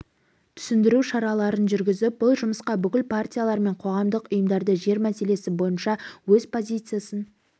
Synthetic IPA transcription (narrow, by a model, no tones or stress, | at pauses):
t̪ʰʏ̥sɪnd̪ɪɾuʃɑɾɑlˠɑɾənʒʏɾɡʲɪzɪp̚bʊlˠʒʊməsqɑbʏkʲɪlpʰartʲijalˠɑɾme̞ɴqʰo̞ʁɑmd̪əqʊjəmd̪ɑɾd̪əʒe̞ɾmæse̞le̞sɪbo̞jənʃɑwɵzpʰo̞zʲijt̪sɨjasən